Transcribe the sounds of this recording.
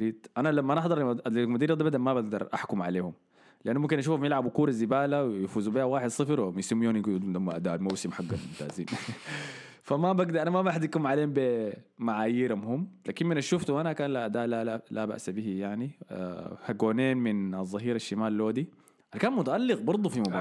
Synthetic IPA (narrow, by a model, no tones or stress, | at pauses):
ɾiːt̪ʔanalamːaʔanɑħd̪ˤɑɾˤʔ̪mʊd̪iːɾad̪ˤbad̪amabaɡd̪ɑɾˤʔa̰ħkʊmʕaleːhum | lɪʔanːumkinʔaʃuːfamjɪlʕabukuːɾazibaːlawjfuːzubiːhawaːħɪd̪sˤɨfɾwmjsamːiunɡd̪umːaʔad̪aːlmawsimħaɡːanmʊnt̪a̰ːzḭːn | famabaɡd̪ɾʔanamabaħd̪ikːumʕaleːhumbimaʕaːjiːɾamhumːlaːkimminaʃuft̪uʔanakaːnlaʔad̪aːʔlaalaba̰ʔsabihijaʕnḭ | haɡoːneːnmɪnɑzˤːɑɦiːɾaʃːimaːlːoːd̪i | ʔankaːnmʊt̪aʔalːɪɣbɑɾˤd̪ˤufimʊbaː